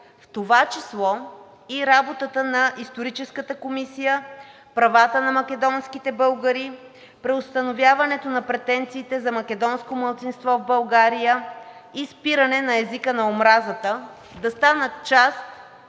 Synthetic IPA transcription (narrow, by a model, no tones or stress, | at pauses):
ft̪ovat͡ʃislˠɔ | iɾabot̪ət̪ənɐʔist̪oɾit͡ʃɛskət̪əkomisijə | pɾɐvat̪ənɐmɐkɛd̪ɔnskit̪ɛbɤlˠɡəɾi | pɾɛost̪ɐnovʲjavɐnɛt̪onɐpɾɛt̪ɛnt̪siːt̪ɛzɐmɐkɛd̪ɔnskomɐlˠt̪sinst̪vɔvbəlˠɡaɾijəispiɾənɛnɐɛzikənɐomɾazət̪ə | d̪ɐst̪anət͡ʃast̪